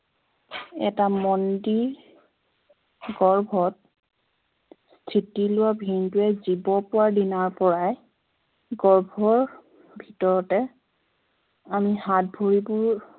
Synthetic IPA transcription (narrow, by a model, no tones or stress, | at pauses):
ɛ̰tamɔndi | ɡɔɹbʱɔt̚ | stʰitilʊwabʱintʊɛzibɔpʊwaɹdinaɹpɔɹaj | ɡɔɹbʱɔɹ | bʱitɔɹɔtɛ | amihat̚bʱoɹibʊɹ